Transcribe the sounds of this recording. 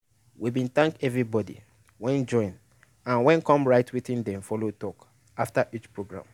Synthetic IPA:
wibĩnθãŋkɛvɹibɔdḭ | wɛ̃nd͡ʒɔ̃ɪ̃n | ãnwɛ̃nkɔ̃mɹaɪtʰwiθĩndɛ̃mfɔlotɔk | aftaʔit͡ʃpɹoɡɹã̰m

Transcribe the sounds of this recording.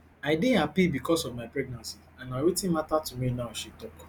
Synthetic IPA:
aɪdĩapibikɔsɔvmaɪpɹɛɡ̚nãnsiãnaɪwetĩnmatatuminaʊʃitɔk

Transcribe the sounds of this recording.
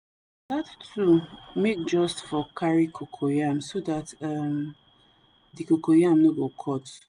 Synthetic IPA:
dattʰumek̚d͡ʒɔstfɔkʰaɹikʰokʰojamsodatam | dikokojamnoɡokʰɔt

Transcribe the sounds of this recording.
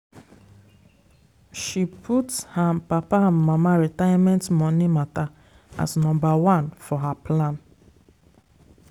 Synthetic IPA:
ʃipʰuthapapamamaɾɛtajamɛ̃ntmɔnimata | a̰snɔ̃mbawãnfɔɦaplãn

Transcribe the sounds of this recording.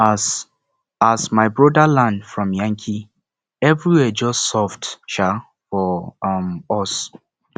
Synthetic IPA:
s | asmaɪbɹɔdalãndfɹɔ̃mjãŋkʰi | ɛvɹiwɛd͡ʒɔstsɔvdʃa | fɔmɔs

